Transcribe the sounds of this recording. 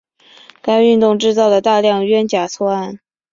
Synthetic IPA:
ka˥ɪy˥˧nt̪ʊ˥˧ŋʈ͡ʂɻ̩˥˧t͡sɑ˥˩ʊd̪ə˩t̪a˥˧ljɑ˥˩ŋɥɛ˥nt͡ɕja˨˩t͡sʰwɔ˥a˥˩n

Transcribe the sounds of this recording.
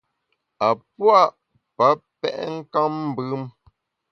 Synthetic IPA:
a˨pwa˦˨ʔ | pa˨˦pɛ˦ʔŋ̩˦ka˦mm̩˦bʉ˦m

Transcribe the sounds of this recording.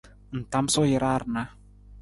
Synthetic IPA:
n̩˨ta˨m̩˦sɔ˦jɪ˨ɾa˦ɾna˦

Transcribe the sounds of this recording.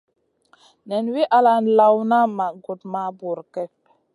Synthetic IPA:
nɛ˨nwi˦ʔa˨la˨n˨la˨wna˦ma˨ɡu˨t̚ma˦bu˨ɾkɛ˦p̚

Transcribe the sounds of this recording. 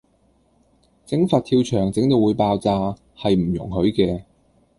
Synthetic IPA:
t͡sɪ˨˥ŋfaː˧t̪̚ʰiː˧wt͡ʃʰœː˨˩ŋt͡sɪ˨˥ŋt̪o˨˧wuː˨˧˥jpaː˧wt͡saː˧ | hɐ˨jm̩˨˩jʊ̰˨˩ŋɦɵ˨˥ɥkɛː˧

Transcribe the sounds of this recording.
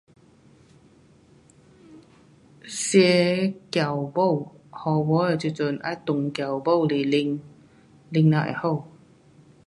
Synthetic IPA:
sjɛ˧kja˨˩˨wbo˥˩˨whɔ˨˧˩wɔ˧˦ə˨˩t͡ɕi˨˧˨t͡sə˨nʔa̰˧˥jt̪ʊ˨ŋkja˨˩wbo˥˩wli˨˩li˧ŋ | li˧ŋna˧˨ʔɛ̰˨˩ho˥˩˨w

